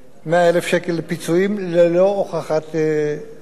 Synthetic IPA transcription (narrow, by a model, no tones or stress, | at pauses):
meaelefʃekelːepit͡suimlelooχaχat̪